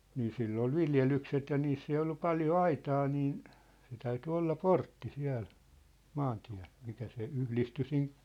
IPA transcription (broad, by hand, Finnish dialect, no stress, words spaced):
niː silː ol ʋiljelykset jɑ niːsː ei olːu pɑljo ɑitɑː niːn se tæyty olːɑ portːi siæ̝l mɑːntiæ̝l mikæ se yhlisty sin